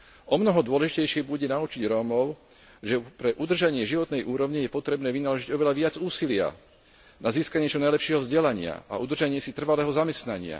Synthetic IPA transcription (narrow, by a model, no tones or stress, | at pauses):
ɔmnɔɦɔd̪ʊɔlɛʒicɛjʃɪɛbuɟɛnaut͡ʃiɟɾɔːmɔʊ | ʒɛpɾɛʔud̪r̩ʒaɲɪɛʒiʋɔt̪nɛjʔuːɾɔʊɲijɛpɔt̪ɾɛbnɛːʋinalɔʒiɟɔʋɛlaʋɪad͡zuːsilɪa̰ | naziːskaɲɪɛt͡ʃɔnajlɛpʃɪɛɦɔvzɟɛlaɲɪa̰a̰ʔud̪r̩ʒaɲɪɛsit̪r̩ʋalɛːɦɔzamɛst̪naɲɪa̰